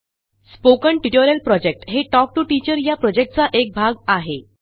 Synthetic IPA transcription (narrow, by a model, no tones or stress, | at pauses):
spokəɳʈiʈoɾəlpɾɔd͡ʑek̚ʈɦeʈɔk̚ʈuʈit͡ɕəɾjapɾɔd͡ʑek̚ʈ̚t͡saʔek̚bʱaɡaɦe